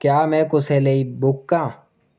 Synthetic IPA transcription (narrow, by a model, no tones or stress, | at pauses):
kjaːmɛ̃ːkʊseleibʊkːãː